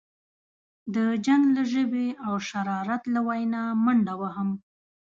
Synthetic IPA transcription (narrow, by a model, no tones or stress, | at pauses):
d̪əd͡ʒaŋɡlaʒəbeawʃaɾɑɾat̪lawajnɑmaɳɖawaɦam